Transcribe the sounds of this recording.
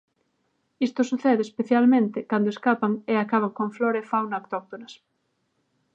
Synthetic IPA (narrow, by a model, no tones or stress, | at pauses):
ist̪osuθeðɪːspeθjalmẽnt̪ɪkand̪oeskapaŋeakaβ̞aŋkõɱfloɾefawnaokt̪ɔk̚t̪onɐs